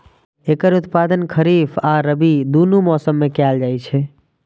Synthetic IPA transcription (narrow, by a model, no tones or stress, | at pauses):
eːkəɾʊt̪pad̪ənkʰəɾifʰaɾəbid̪unumɔsəmːekɛld͡ʒajt͡ʃʰɛ